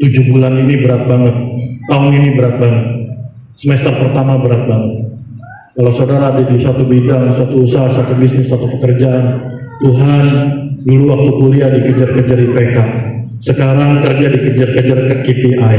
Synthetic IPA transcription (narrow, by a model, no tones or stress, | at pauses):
t̪ud͡ʒubulaninibəɾat̪̚baŋət̪̚ːaʊninibəɾat̪̚baŋət̪̚ | səmest̪ərpərt̪amabəɾat̪̚baŋət̪̚ | kalawsaudaɾaːdadisat̪ubidaŋsuat̪uːsaɦasat̪ubisnɪsːat̪upəkərd͡ʒaʔːnːuɦanduluwak̚t̪ukuliadikəd͡ʒarkəd͡ʒardipeka | səkaɾaŋkərd͡ʒadikəd͡ʒarkəd͡ʒarkəkep̪iʔaj